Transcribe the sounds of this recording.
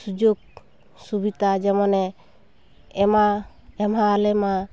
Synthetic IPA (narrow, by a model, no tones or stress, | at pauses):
sud͡ʒoɡ̚ | subit̪ad͡ʒɛmɔnɛ | ɛma | ɛmɦalɛma